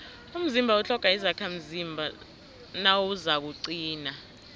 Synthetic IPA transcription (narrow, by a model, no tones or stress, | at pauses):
um̩zimbʱaut͡ɬʰɔkʼaizakʰam̩zimbʱa | nawuzaɓ̬uǀiːna